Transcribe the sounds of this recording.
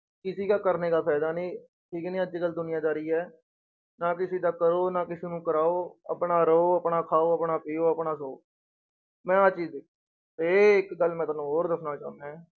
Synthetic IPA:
kɪsiːkaːkəɾneːkaːpʰɛːd̪aːnĩː | ʈʰiːknĩːət͡ʃiːɡəld̪ʊnɪjãːd͡ʒaːɾiːɛː | naːkɪsiːd̪aːkəɾoːnaːkɪsiːnũːkəɾaːoːə̰pɳaːɾəoːəpɳaːkʰaːoːəpɳaːpiːoːəpnaːsoː | mɛ̃ːət͡ʃiːd̪ek | t̪eɪkɡəlmɛ̃ːt̪aːnũːɦoːɾd̪əsʰnaːt͡ʃa̰ːnd̪aː

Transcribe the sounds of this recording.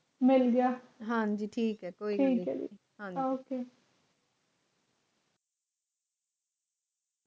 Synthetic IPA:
mɪlɡjaːɦãːd͡ʒiːʈʰiːkɦɛːkoːiːɡəːɛ | ɦãːd͡ʒoːkeː

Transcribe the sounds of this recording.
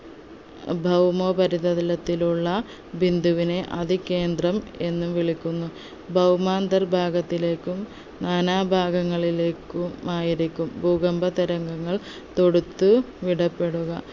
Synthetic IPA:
bʱɐwmoːpɐɾiðɐðilɐt̪ːiluɭːɐ | bʱind̪uʋine̞ʔɐðʱikːe̞ːnd̪rɐme̞nːumʋiɭikʲːunːu | bʱɐwmaːnd̪ɐrbʱaːɡɐt̪ːile̞ːkːum | naːnaːbʱaːɡɐŋːɐɭile̞ːkːuaːjiɾikʲːumbʱuːɡɐmbʱɐt̪iɾɐŋɡɐŋːɐɭ | t̪o̞ɽut̪ːu | ʋiɽɐpːe̞ɽuɣɐ̰

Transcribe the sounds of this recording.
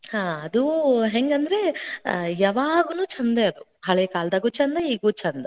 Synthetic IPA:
haːɐd̪uɦeŋɡɐnd̪ɐɾe̞ | jaʋaːɡunuːt͡ʃʰɐnd̪eɐd̪uɦɐɭekaːld̪ɐːɡut͡ʃɐnd̪ɐiːɡuːt͡ʃɐnd̪ɐ

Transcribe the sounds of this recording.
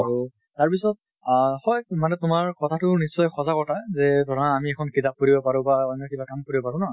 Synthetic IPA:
aɹu | taɹpisɔt̚ | xɔjmanɛtʊmaɹkɔtʰatʊnisːɔjxɔzakɔɹtʰazɛdʱɔɹaːmiɛkʰɔnkitap̚kuɹibɔpaɹʊ̃baɔnɔkibakamkoɹibɔpaɹʊ̃nɔ

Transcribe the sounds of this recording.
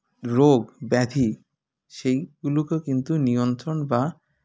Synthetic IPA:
ɾoɡbɛd̪ʱi | ʃejɡulokekint̪unijont̪ɾonba

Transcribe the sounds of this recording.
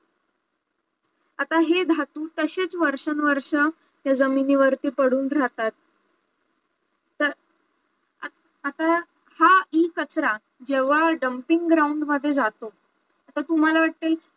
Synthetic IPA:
at̪aɦed̪ʱat̪uːt̪əɕet͡sʋəɾʂənʋəɾʂə | t̪jad͡zəminiːʋəɾt̪iːpəɽuːnɾat̪at̪̚ | əɾ | at̪a | haiːkət͡sɾa | d͡ʑeʋ̤aɖəmpiŋɡɡɾauɳɖməd̪ʱːjed͡zat̪o | at̪at̪um̤alaʋaʈ̚t̪eːl

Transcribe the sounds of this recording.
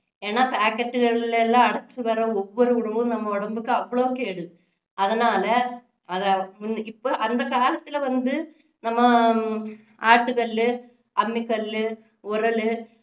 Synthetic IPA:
enːapaːkːɐʈːɨɣɐɭilelːaːɐɽɐt͡ɕːɨpɐrɐoʋːoɾuuɽɐmumnɐmːɐoɽɐmbɯkːɨɐʋːɐɭokːeːɽu | ɐðinaːlɐ | ɐðamunipːoʔɐnd̪ɐkaːlɐt̪ːileʋɐnd̪ɨ | nɐmːɐ | aːʈːukɐllɨ | ɐmːikːɐllɨ | urɐlɨ

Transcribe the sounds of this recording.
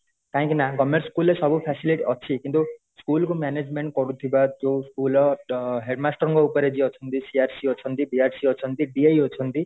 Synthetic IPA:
k̪ãɦĩkinakɔmeɾskulesɔbupʰasiliʈɔt͡ʃʰikint̪u | skulkumaned͡zmeɳʈ̚kɔɾut̪ʰibad͡zoskulɔɦeɾmasʈɔɔŋɡɔupɔɾed͡ʒiɔt͡ʃʰʌnt̪isiaɾsiɔt͡ʃʰʌnt̪iɖiaɾsiʌt͡sʰʌnt̪iɖiejɦot͡sʰʌnt̪i

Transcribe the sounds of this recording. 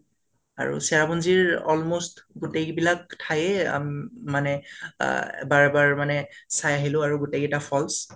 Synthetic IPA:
a̰ɹṵsɛɹabunziɹɔlmostɡʊtekbilak̚tʰajɛa̰manɛ̰ | baɹɛbaɹmanɛsajaɦilʊaɹuɡutekɛtapʰɔls

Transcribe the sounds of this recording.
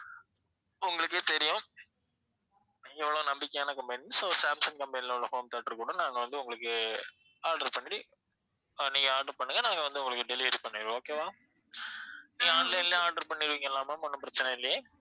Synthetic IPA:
ʊŋɡɐɭɯk̬ːeːt̪ɛɾɪjʊ̃ | ɛʋːɐɭonɐmbɪkːejaːnɐkɐmpɐnisoːsaːmsɐnkɐmbɐnɪlɔʋɭɐhoːmt̪ɐːʈːɾkuːɽɐ̃naːŋɡɐʋɐnd̪ɯʊŋɡɐɭɯkːɯ | aːɾɖɐɾpɐɳːɪʈi | nĩːŋɡɐaːɾɖɐɾpɐɳːɯŋɡɐnaːŋɡɐʋɐnd̪ɯʊŋɡɐɭɯkːɯɖɛlɪʋɐɾipɐɳːeːɾoːkeːʋãː | nĩːŋɡɐaːɳɖlɐnlɐaːɾɖɐɾpɐɳːɪɾɯʋiːŋɡɐɛlːaːmɐmɔnːɯmpɪɾɐt͡ʃːɐnɐɪlːɐjeː

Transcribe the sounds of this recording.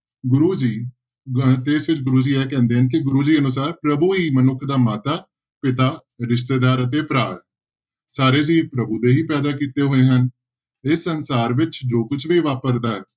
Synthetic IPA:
ɡʊɾuːd͡ʒiː | t̪eːsʋɪt͡ʃɡʊɾuːd͡ʒiːɛːkɛ̃ːnd̪eːɦənkɪɡʊɾuːd͡ʒiːənʊs̬aːɾpɾəbuːɦiːmənʊkʰd̪aːmaːt̪aː | pɪt̪aː | ɾɪs̬t̪eːd̪aːɾət̪eːpɾaː | saːɾeːd͡ʒiːpɾəbuːd̪eːɦiːpɛːd̪aːkiːt̪eːɦoːeːɦən | ɪsːənsaːɾʋɪt͡ʃd͡ʒoːkʊt͡ʃʰʋiːʋaːpəɾd̪aːɦɛː

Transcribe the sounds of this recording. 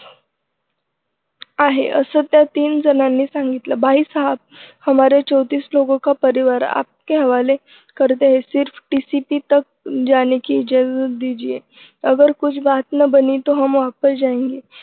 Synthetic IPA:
aɦḛʔəsət̪jat̪iːnd͡zənanːiːsaŋɡit̪ləbʱaiːsəɦəb̚həmaɾjat͡ɕəwt̪iːslokõkapəɾiʋaɾa̰p̚keɦəʋale | kəɾt̪eaɦesiɾfʈisipit̪ək̚d͡ʑanekiːd͡ʑazəd̪id͡ʑije | əɡəɾkud͡ʑʰbat̪nəbəniːt̪oɦamʋapəɾd͡ʑaẽŋɡe

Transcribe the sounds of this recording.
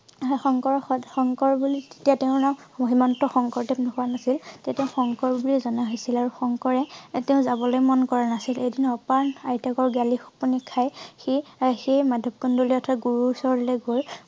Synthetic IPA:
xɔŋkɔɹxɔxɔŋkɔɹbulietijateʊ̃naɦimɔntɔxɔŋkɔɹtɛpnɔkuanasilteteʊ̃xɔŋkɔɹbulizɔnaɦojsilaɹuxɔŋkɔɹɛteʊ̃zabɔlojmɔnkɔɹanasiledinɔpaɹajtakɔɹɡalixɔ̥punikʰːajxixejmadʱɔb̚kɔndoliɔtʰɔaɡuɹuːsɔɹleɡoɹ

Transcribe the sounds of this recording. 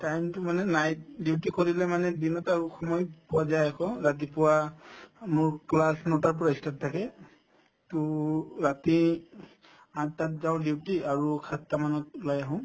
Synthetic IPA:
tajmtʊmanɛnajt̚diwtikoɹilɛmanɛdinɔtaɹuxɔmɔjpʊwazajakɔɹat̬ipʊwa | mʊɹklasnɔtaɹp̬ɔɹaistat̚tʰːakɛ | tuɹati | ãtːatzaʊdiwtiaɹukʰatːamanɔtʊlajaɦɔ̃

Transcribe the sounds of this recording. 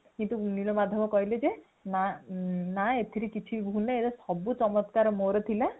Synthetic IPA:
kint̪uniɭɔmad̪ʱːjɔbɔkɔɦiled͡ʒe | nanaet̪ʰiɾikit͡ʃʰibʱuneelɔsɔbut͡ʃɔmɔt̪kaɾɔmoɾɔt̪ʰila

